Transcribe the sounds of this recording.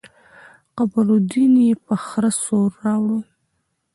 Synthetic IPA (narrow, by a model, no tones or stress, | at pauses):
qabaɾud̪injepəxɾəsoɾːɑwɽu